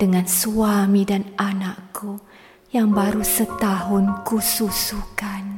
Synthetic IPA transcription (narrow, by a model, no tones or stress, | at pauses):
d̥əŋãnsuamĩdananaʔku | jaŋbaɾusət̪aɦʊnkususukan